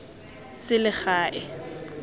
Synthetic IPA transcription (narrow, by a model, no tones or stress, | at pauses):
sɪlɪχaːʔɪ